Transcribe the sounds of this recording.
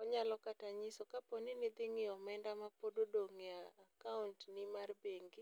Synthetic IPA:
ɔɲalɔkataɲisokaponɪnɪd̪ɪŋɪɔmɛndamapododoŋɪaːkauntnɪmarbeŋɡɪ

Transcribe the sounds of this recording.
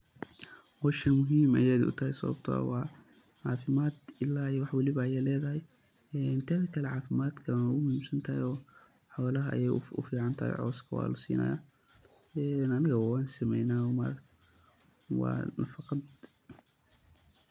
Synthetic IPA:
hɔːʃɐnmʊɦiːmɐ̰jaːd̪ʊ̰t̪ʰɐɦɛjsɐ̰βɐ̰b̚t̪ʰɔ̰wɑː | ʕɑːfɪmaːd̪ɪlːaːjwɑħwɐlɪβɐːjɛlɛːðɐɦɛj | ɛnt̪ʰɐːðɐkʰɐlɛʕɑːfɪmaːd̪kʰɐʊɣʊmʊhiːmsɐnt̪ʰɐɦɛjɔː | ħɔwlɐɦɐʔjɛjʊ̰fiːʕɑnt̪ʰɐhɛ̰jʕɔ̰ːskʰɐwɑ̰ːlʊsḭːnʔɐ̰ja̰ː | ɛːnɐnɐɣɐwɑːnsɪmɛjnaːɔːmɐɾɐk̪ʰ | wɑ̰ːnɐfɑqɑd̪

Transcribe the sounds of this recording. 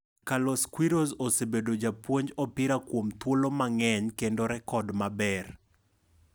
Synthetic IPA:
kalɔskwiɾozosebedod͡ʒapwoɲd͡ʒɔpɪɾakwomt̪wolomaŋɛɲkendoɾɛkɔdmabɛr

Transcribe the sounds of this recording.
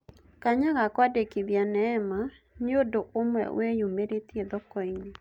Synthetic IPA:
kaɲaɣakwadekiðjanɛːma | ɲodoʔomwɛ̰wejumeɾet̪jeðɔkɔiɲi

